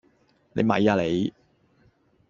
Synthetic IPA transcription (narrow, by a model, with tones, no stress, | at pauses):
nḛ˨˧jmɐ̰˨˧jaː˧le˨˧j